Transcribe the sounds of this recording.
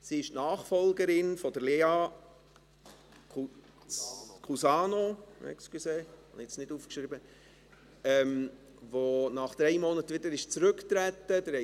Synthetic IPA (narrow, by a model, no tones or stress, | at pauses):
siɪʃtnɑːχfɔlˠɡəɾɪnfɔd̥əɾleːɑ | kʰusɑːnomɛ̰kskyseːhɑ̰niɛt͡snɪd̥uːfkʃɾɪbə | ɛm | ʋonɑχd̥̪ɾɛɪmɔnət̪ʋɪd̪əɾɪʃt͡sɾɵkt̪ɾæt̪ːəd̥əhɛ